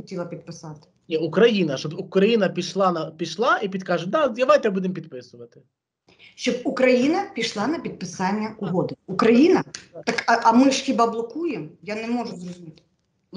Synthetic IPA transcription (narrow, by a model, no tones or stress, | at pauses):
ʊtʲilˠɐpʲid̪̚pɪsɑt̪ɪ̥nʲiukɾɐjinɐʃɔbukɾɐjinɐpʲiʃlˠɑnɐpʲiʃlˠɑipʲid̪kɑʐʊd̪ad̪ɐʋajt̪ɛbud̪ɪmpʲid̪pɪsʊʋɐt̪ɪ | ʃɔb̚ukɾɐjinɐpʲiʂlˠɑnɐpʲid̪̚pɪsɑnʲːɐʊɦɔd̪ɪukɾɐjinɐt̪ɐkɐʔɐmɪʂxʲibablˠɔkujɛmjanɛmɔʒʊzrɔzʊmʲit̪ɪ̥